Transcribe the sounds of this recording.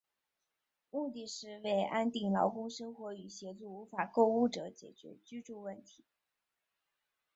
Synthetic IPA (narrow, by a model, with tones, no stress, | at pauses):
mu˥˧t̪i˥˧ʂɻ̩˥˧we˥˩ɪʔa˥nt̪i˥˩ŋlɑ˧˥ʊkʊ˥ŋʂɤ˥ŋxwɔ˧˥y˨˩ɕjɛ˧˥t͡su˥˩u˧˥fa˨˩ko˥˧ʊu˥ʈ͡ʂɤ˧˥˦t͡ɕjɛ˨˩t͡ɕɥɛ̰˧˥t͡ɕy˥ʈ͡ʂu˥˧wə˥˩nt̪ʰi̥˧˥˦